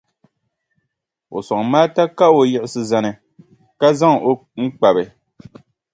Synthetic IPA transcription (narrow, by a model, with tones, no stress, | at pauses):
o̰˨sɔ˨ŋ˨maː˦ta˦ka˦o˨jɛ˨ʔɪ˨˦sɨ˨za˨nɨ˨ | ka˦za˦ŋ˨o˨˦ŋ̩˦k͡pa˨bɨ˨